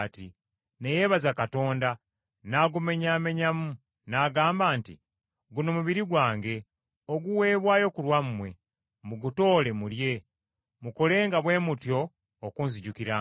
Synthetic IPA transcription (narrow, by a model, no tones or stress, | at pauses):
ti | ne̞je̞ːβazakato̞ːnda | naːɡume̞ɲame̞ɲamu | naːɡaːmbaːntḭ | ɡuno̞muβiɾiɡwaːŋɡe̞ | oɡuwe̞ːβwaːjo̞kulwamumwe̞ | muɡuto̞ːle̞mulje̞ | muko̞le̞ːŋɡaβwe̞ːmutjo̞ː | kuːnziɟukiɾa